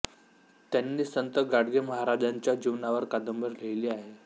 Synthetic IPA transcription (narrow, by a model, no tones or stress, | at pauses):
t̪janːiːsənt̪əɡaɽɡeməɦaɾad͡ʑaɲt͡ɕjad͡ʑiʋnaʋəɾkad̪əmbəɾleiliːaɦe